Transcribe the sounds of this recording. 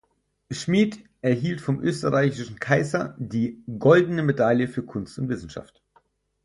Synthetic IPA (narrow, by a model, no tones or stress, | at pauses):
ʃmiːtʔɛɐɦiːltfɔmʔø̰ːstəʁaɪçɪʃn̩kʰaɪzɐdiːɡɔldən̩əmedaljəfyːɐkʰʊnstʊntv̥ɪsn̩ʃa̰ft